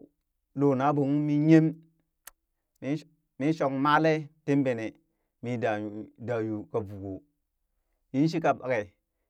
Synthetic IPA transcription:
lo˨na˨˦bo˨ŋu˦mi˦ɲe˦m | i˦ | mi˦ʃo˨kma˦le˦te˦m˦be˨ne˨ | mi˨da˨da˨ju˨ka˨bu˨ɡo˨ | ji˦n˦ʃ̬i˦ka˨ba˨ke˨

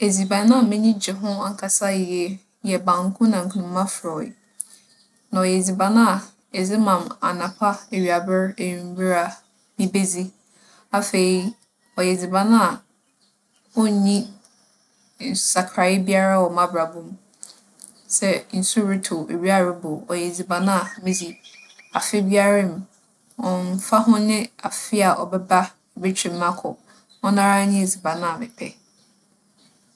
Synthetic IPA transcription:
e˨d͡zi˨bã˨nã˦a˨mɛ̃˦ɲĩ˦d͡ʑɛ˨ɦʊ̃˦a˨ŋ˨kʰa˨sa˦ɪ˨jɛ˦ | jɛ˨bã˨ŋ˦kʰʊ̃˦nã˨ŋ̩˨kʰũ˨nʊ̃˦mː˦ã˦fɾɔ˨ɪ̰˨ | nã˨ɔ˨jɛ˨d͡zi˨ba˨nã˦a˨ | ɛ˨d͡zɪ˦mã˨ma̰˨nã˨pʰa˦e˨ɥa˨bɪ˦ɾe˨jĩ˨m˦bɪ˦ɾa˨ | nĩ˦be˦d͡zi˦ | a˨fe˨ɾi˦ | ɔ˨jɛ˨d͡zi˨ba˨nã˦a˨ | ɔ˦˨ɲĩ˦ | n̩˨ssa˨kʰɾa˨jɪ˦bi˦a˦ɾa˦wɔ˨mã˦bɾa˨bũ˦m | sɛ˦n̩˨su˦ɾi˦tʰo˨ḛ˨ɾi˦a˦˨ɾɪ˦bʊ˨ɔ˨jɛ˨d͡zi˨bã˨nã˦a˨mɪ̃˦d͡zi˦a˨fɪ˦bi˦a˦ɾɪ̃˦˨m̩˨ | ɔ̃˨m˦fa˦ɦʊ̃˦nɪ̃˦a˨fɪ˦a˨ʔɔ̰˨bɛ˦ba˦ | be˦t͡ɕʰᶣĩ˨mː˦ã˦kʰʊ̰˨ | ɔ˦nã˦ɾa˦ɲĩ˦e˨d͡zi˨ba˨nã˦a˨mɪ˨pʰɛ˦

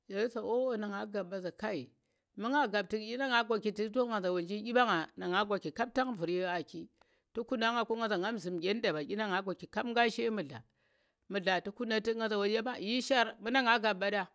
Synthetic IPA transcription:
ja˨˦sa˨o˦o˨na˨ŋa˨˦ɡa˨bːa˨za˨ka˦i˨ | mu˦ŋa˦ɡa˨b̚ti˦˨kʲi˦na˦ŋa˨˦ɡʷa˨ki˨ti˦to˦ŋa˨za˨wo˨nd͡ʒi˦kʲi˦ɓa˦ŋa˨na˨ŋa˦ɡʷa˨ki˨ka˦b̚ta˦ŋvu˨ɾje˦a˨ki˦ | to˦ku˦na˦ŋa˨ko˦ŋa˨za˨ŋa˦mzi˨mɡʲe˦n˦da˨ba˨kʲi˦na˦ŋa˨ɡʷa˨ki˨ka˦bŋɡa˦ʃe˦mu˨ɮa̰˨ | mu˨ɮa˨tu˦ku˦na˨ti˦ŋɡa˦˨za˨wo˨˦a˦ba˦˨i˦ʃa˦ɾmu˦na˦ŋa˦ɡa˨bːa˦da˦

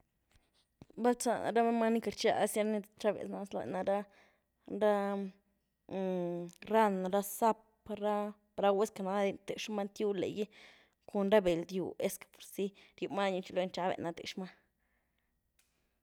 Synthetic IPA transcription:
ba˦lt͡sa̰˨na̰˨ɾa˦me˦ma˦ni˦ka˨ɾt͡ʃa̰˧a˦sja˦ɾa˦ni˦t͡ʃa˦bḛ˨sna˧sla̰˨na˧ɾa˦ | ɾa˦˨ | ɾa˦na˨ɾa˦sa˦p | ɾa˦ | ɾa˧˦we˦ska˨na˧d̪i˧nt̪e˨ʂma˦nt̪ju˦lḛ˨ji˦ | ku˨nɾa˦be˨ld̪jṵ˨e˦skḁ˨po˨ɾsi˦ɾju˧ma˦ɲu˧t͡ʃi˧lo˧˦nt͡ʃa˦bḛ˨ʔna˧t̪ḛ˨ʂma˦

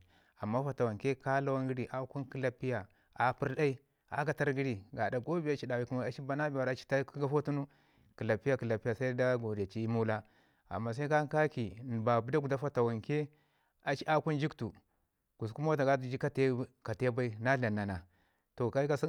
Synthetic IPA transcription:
a˨mːa˦fa˨ta˨wa˨ŋke˦ka˦la˦wa˦ŋɡi˦ɾi˨ʔa˦ku˦nki˦la˦pːi˦ja˨ | a˨pi˦ɾda˦i˦ | a̰˦ɡa˨ta˦ɾɡi˦ɾi˨ɡa˨da˨ɡo˦bi˨a˦t͡ʃi˦da˨wi˦ku˦ma˦a˨t͡ʃi˦ba˦na˦bi˨wa˨ɾa˨t͡ʃi̥˦ta˦ku˦ɡa˦fo˦tu˦nu˦ | ki˨la˨pi˦ja˦ki˨la˨pi˦ja˨sa˦i˦da˦ɡo˨di˨a˨t͡ʃi˦i˦mu˦la˦ | a̰˨mːa˨s̬a˦i˦ka˦ka˦ki˨n˨ba˨bu˨˦da˦ɡu˨da˦fa˦ta˨wa˨ŋke˦ | a˨t͡ʃi˦a˦ku˦nd͡ʒi˦ktu˨ | ku˨sku˦ma˦wa˦ta˨ɡa˦tu˨d͡ʒi˦ka˦te˦ka˨te˦ba˦i˦na˦ɬa˨nːa˨na˨ | to˨ka˦i˦ka˦si˦

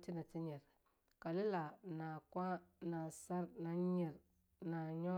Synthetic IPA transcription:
ti˦na˨ti˦ɲi˨ɾ | ka˨li˦la˨na˨kʷa˦na˨sa˦ɾna˨ɲi˨ɾ | na˨ɲɔ˦

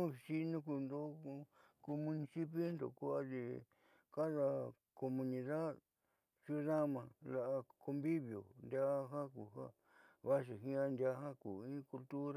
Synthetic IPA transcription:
ũ˦˧ʃi˦nõ˦ku˧nd̪o˦˧ko˧mũ˧nĩ˧si˦pe˦nd̪o̰˧˨ku˦a˦ði˧ | ka˦ða˧ | ko˧mũ˧nĩ˧ða˦ð | su˦ða˦mã˧la˧˨ʔa˧ko˧mbi˦βjo̰˨nd̪ja˦˧ɦa˦ku˨ha̰˦ | βa˦ʃ̬i˨ɦĩ˦ã˦˧nd̪ʲa˧˦hã˦kṵː˨ĩ˦ku˧lt̪u˦ɾa˦

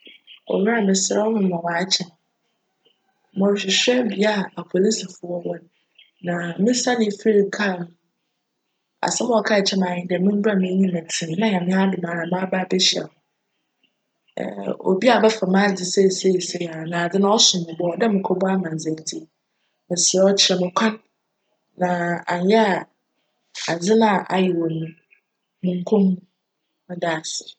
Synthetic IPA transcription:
ɔ̰˨jᶣã˦˨mɪ̃˨sɛ˦wɔ˦mʊ̃˨m˨ɔ̃˨wa˨˦t͡ɕʰɛ˨ | mɔ̃˨ɕᶣɪ˨ɕᶣɛ˦bi˦a˦a˨pʰo˨li˦sa˨fʊ˨˦ɔ˦wɔ˦n˨ | nã˨mɪ̃˦sa˦nɪ̃˦fi˦ɾi˨˦kʰa˦˨ñ˨ | a̰˨sɛ˦m̃˦ɔ˨kʰa˦˨t͡ɕʰɛ˦mã˨ɲɪ̃˦dɛ˨mɪ̃˦m̩˦ba˦mĩ˦ɲĩ˦mã˨tʰĩ˨˦nã˦jã˨mɪ̃˦a˦dʊ˨mã˨ɾa˨mã˦ba˦˨bɛ˦ɕi˨a̰˨hʊ̃˨ | o̰˨bi˦a˨bɛ˦fa˨mã˦d͡zɪ˨sɛ˦˨se˦˨se˦˨a˨nã˨a˨d͡zɪ˦nã˦ɔ˦sʊ̃˨mʊ̃˨bɔ˨˦ɔ˨dɛ˦mʊ̃˨kʰɔ˦bɔ˦a˦mã˨ze˨d͡zi˦˨ | mɪ̃˨sɛ˨ɔ˦t͡ɕʰɪ˦ɛ˨mʊ̃˨kʷʰã˦n | nã˨a˨n˨˦jɛ˦a˨ | a˨d͡zɪ˦nã˦˨ʔa̰˨jɛ˨wo˨nũ˦ | mʊ̃˨ŋ̩˦kʰõ˦mː˦ | mɪ̃˨da˨sɪ̥˨

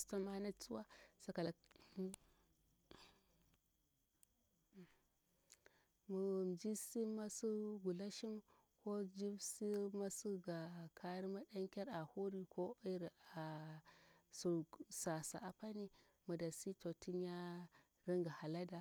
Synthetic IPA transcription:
sta˦ma˦na˦t͡su˦wa˦sa˦ka˨la˨ | mu˨m˨d͡ʒi˦si˦ma˦su˦ɡu˨la˦ʃi˦m | ko˦d͡ʒi˦bsi˦ma˦su˦ɡa˨kʰa˦ɾi˦ma˦ɗa˦ŋkʲa˦ɾa˨hu˦ɾi˨kʰo˦i˦ɾa˨ | su˨sa˨sa̰˨ʔa˨pa˦ni˦ | mu˨da˨si˦to˨ti˦ɲ˦a˦ | ɾi˦ŋɡa˨ha˨la˦da˨

